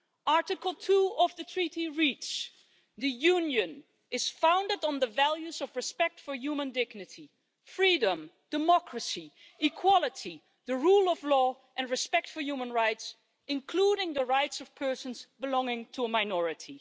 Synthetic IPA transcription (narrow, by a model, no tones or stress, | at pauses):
ɑɹɾɨkl̩ˠtʰuʌvðɨtʰɹ̥iɾiɹit͡ʃs | ðɨjũnjɨ̃n | ɨz̥fãʊ̃ndɨdn̩ðəvælˠjuzʌvɹɨspɛk̚tfə˞jumə̃ndɪɡnɨti | fɹidə̃md̥ɨmɑkʰɹəsi | ɨkʰw̥ɑlˠəti | ðɨɹulˠʌvlɔ | ʔɨ̃nɹɨspɛk̚tfə˞jumə̃nɹaɪts | ɨ̃nkʰl̥uɾɪ̃ŋðəɹaɪtsʌv̥pʰɜ˞sən̩zbəlɔ̃ŋɪ̃ŋtʰəəmaɪnɔɹɨtʰi